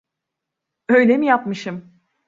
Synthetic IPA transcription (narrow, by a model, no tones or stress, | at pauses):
ø̞jlʲemijapmɯʃɯm